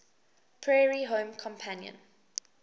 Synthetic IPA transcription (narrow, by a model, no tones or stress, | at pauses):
pʰɹɛːɹiɦõːmkʰɔ̃mpʰãnjə̰̃n